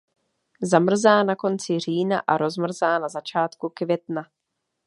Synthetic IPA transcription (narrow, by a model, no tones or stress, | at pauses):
zamr̩zaːnako̞nt͡sɪr̝iːna̰ʔaɾo̞zmr̩zaːnazat͡ʃaːt̪kukvjɛt̪na